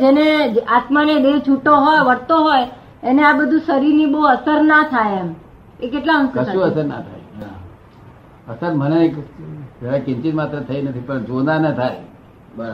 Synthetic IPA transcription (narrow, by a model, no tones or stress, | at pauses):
d͡ʒened͡ʒʔat̪manedelt͡ʃʰuʈoɦojʋəɾt̪oɦoj | eneabəd̪ʱũsəɾiɾniboəsəɾnat̪ʰajem | ekeʈlaɦə̃ŋsəũəsəɾna̰t̪ʰa̰j | əsəɾmənekd͡ʒʱəɾakɪ̃nt͡ʃit̪mat̪ɾət̪ʰəinət̪ʰipəɳd͡ʒonanet̪ʰaj | bə